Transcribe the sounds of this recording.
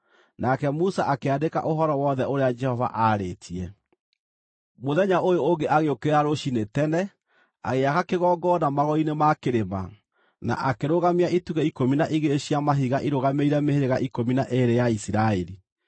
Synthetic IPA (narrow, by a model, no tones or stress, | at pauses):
nakɛmusaʔakeadeka̰ʔoɦɔɾɔwɔðɛoɾead͡ʒɛhɔva̰ʔaɾetʰiɛ | moðɛɲaʔojoːŋɡeʔaɣeokeaɾoʃinetɛnɛ | a̰ɣeaɣakeɣɔːɡɔnamaɣɔinemakeɾema̰ | na̰ʔakeɾoɣamiaʔituɣɛikominaʔiɣeɕiamaɦiɣaʔiɾoɣameiɾɛmeheɾeɣaʔikominaʔeɾejaisiɾaeɾi